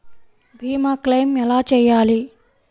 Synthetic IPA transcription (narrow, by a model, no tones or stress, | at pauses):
bʱiːmaːklejmɛlaːt͡ʃɛːjaːli